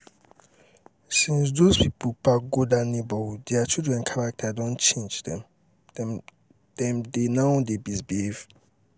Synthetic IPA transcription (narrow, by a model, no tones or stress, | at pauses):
sĩns̬dospipolpaɡodanibɔdeat͡ʃʰudɹɛ̃nkʰaɹak̚tʰadɔ̃nt͡ʃʰẽnd͡ʒdɛ̃m | d̥ɛ̃mdenaʊdebizbiev